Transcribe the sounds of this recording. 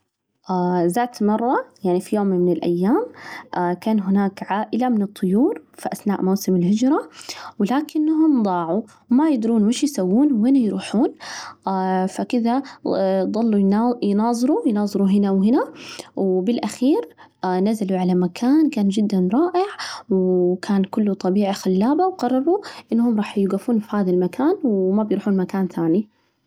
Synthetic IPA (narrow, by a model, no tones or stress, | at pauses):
ʔazaːt̪mɑrˤːɑjaʕnifijoːmmɪnɪlʔa̰jːaːmʔakaːnɦʊnaːkʕaːʔɪlamɪnɨt̪ˤːʊjuːɾfiʔaθnaːʔmawsɪmɪlhɪd͡ʒɾˤɑwɪlaːkɪnːaɦʊmd̪ˤɑːʕu | majɪd̪ɾuːnmɪʃjsawːuːnwhɪnajɾuːħuːnafakɪða | d̪ˤɑlːujnɑːzˤɨɾujnɑːzˤɨɾuɦɪnawɦɪnawbɪlʔaxiːɾ | nazaluʕalamakʰaːnkaːnd͡ʒɪd̪ːanɾˤɑːʔɪʕwkʰaːnkʊlːut̪ˤɑbiːʕixalːaːbawɡɑrˤːɑɾˤuʔɪnːhʊmɾˤɑːħjɪɡafuːnfihaːðalmakʰaːnwmabjɾuːħuːnmakaːnt̪aːni